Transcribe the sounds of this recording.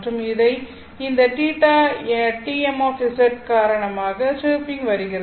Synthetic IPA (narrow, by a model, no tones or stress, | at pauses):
ʈrɯmɪðɐɪ | ɪnd̪ɐʈiːʈːaːʈiːɛmaːfɪsɛʈ̚kaːɾɐɳɐmaːɣɐsɯːpɪŋɡʋɐɾɯɣɪɾɐ